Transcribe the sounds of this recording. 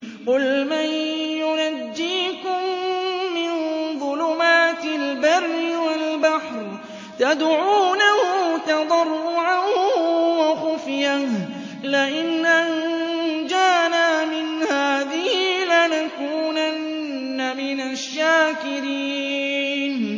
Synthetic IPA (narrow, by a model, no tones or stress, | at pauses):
qʊlmanjʊnad͡ʒːiːkʊmː | ɪnðˤʊlʊmaːt̪ɪlbaɾːɪwalbaħɾ | t̪ad̪ʕuːnahʊt̪ɑd̪ˤɑrˤːʊʕanhʊwaxʊfjah | lɪʔɪnʔand͡ʒaːnaːmɪnhaːðɪhilanakuːnanː | amɪnaʃːaːkɪɾiː | n